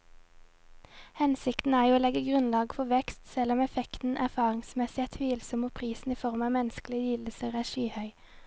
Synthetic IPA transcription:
hɛnsɪkt̪n̩æːʁjuːoːlɛɡəɡʁʉnlɑːɡfɔʋɛkst̪sɛlɔmɛfɛkt̪n̩ʔæʁfɑːʁɪŋsmɛsɪæt̪ʰʋiːlsɔmoːpʰʁiːsn̩iːfɔʁmɑːmɛnəsklɪəjiːləsəʁæːʃyːhœʏ

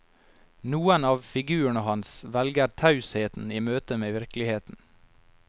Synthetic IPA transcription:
nuːənɑːʋfɪɡʉːəɳəhɑnsʋɛlɡəɾt̪ʰɑʉsheːt̪n̩iːmøːt̪əmeːʋɪɾklɪheːt̪n̩

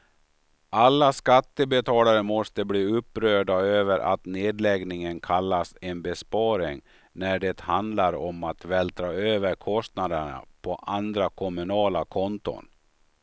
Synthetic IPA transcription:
ʔalːaskat̪ːəbɛt̪ʰɑːlaɾəmɔst̪əbliːɵpːɾœːɖaøːvəɾʔa̰t̪neːd̪lɛɡnɪŋənkʰalːasɛnbɛspɑːɾɪŋ | næɖɛt̪hand̪laɾɔmat̪vɛːlt̪ʰɾɑːøːvəɾkʰɔst̪nad̪əɳa̰pʰɔʔand̪ɾakʰɔmɵnɑːlakʰɔnt̪ʊ̰n

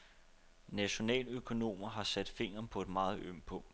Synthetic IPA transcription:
næɕo̝nɛ̰ːløkʰo̝no̝̰ːmɐɦɑ̈sæd̥fe̝ŋ̰ɐːnpʰɒ̽e̝d̥mɑ̈ːð̞̩ˠʔøm̰pʰɔ̽ŋ̰d̥

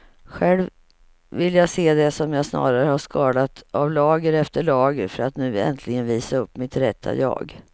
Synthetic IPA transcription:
ɧɛlv | vɪlːjaseːd̪ɛsɔmjasnɑ̰ːɾaɾəhaʂkʰɑːd̪at̪ʔavlɑːɡəɾɛft̪əɭɑːɡəɾfœɾat̪nʉ̟ːɛ̰nt̪ʰlɪɡənviːsaɵpːmɪt̪ɾɛt̪ʰːa̰jɑ̰ːɡ

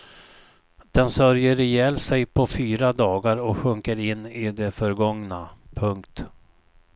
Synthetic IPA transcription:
d̪̥ɛnsœɾjəɾɛjɛːlsɛjpʰɔfyːɾad̪ɑːɡaɾɔkɧɵŋkəɾɪnːɪd̪ɛfœɾɡɔŋnapʰɵŋkt̪

